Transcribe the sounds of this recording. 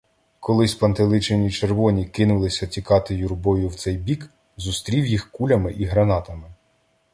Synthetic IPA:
kɔlˠɪsʲpɐnt̪elˠɪt͡ʃenʲit͡ʃerʋɔnʲikɪnʊlˠɪsʲɐtʲikɑt̪ɪjurbɔjʊwt̪sɛjbʲik | zʊst̪ɾʲiwjixkulʲɐmɪʔiɦɾɐnɑt̪ɐmɪ

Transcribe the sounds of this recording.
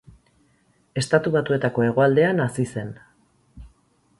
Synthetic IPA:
e̞st̪at̪uβat̪ue̞t̪ako̞e̞ɣ̞o̞ald̪e̞anasise̞n

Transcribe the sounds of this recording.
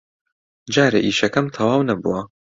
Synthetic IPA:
d͡ʒaːɾḛʔiːʃɐkɐmt̪ʰɐwaːwnɐbṵwɐ

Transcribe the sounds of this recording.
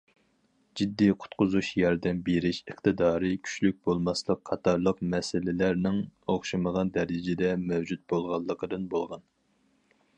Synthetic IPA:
d͡ʒid̪ːiqʰʊ̥t̪qʊzuʃjɑɾd̪ɛmbeɾɪʃəχt̪ɨd̪ɑːɾɨkʲʰy̥t͡ʃlyk̚ʲb̥olˠmɑslˠəqʰːɑt̪ʰɑɾlˠəqmɛsɪlɪlæɾnɪŋoχʃɨməʁɑnd̪ɛɾɪd͡ʒɪd̪ɛmɛwd͡ʒut̪̚bolˠʁɑlˠːəqəd̪ɨnbolˠʁɑn

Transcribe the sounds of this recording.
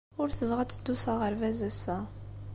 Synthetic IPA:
ʊɾθəvʁæt͡sːəd̪ːusaʁəɾvæzæsæ

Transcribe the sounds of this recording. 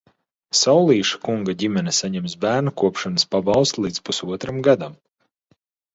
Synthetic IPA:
sawlˠiːʃḁkuŋɡaɟʲimʲɛnɛsaɲɛmsbæːɾnakuɔpʃanəspabawˠst̪lˠiːt̪spusuɔt̪ɾamɡad̪am

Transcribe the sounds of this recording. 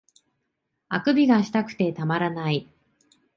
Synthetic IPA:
akɯ̟bʲiɡaɕi̥t̪akɯ̟̥t̪e̞t̪amaɾanai

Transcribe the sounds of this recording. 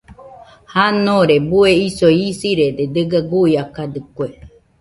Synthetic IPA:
hanõɾebueisoisiɾed̪ed̪ɨɡaɡujakad̪ɨkʷe

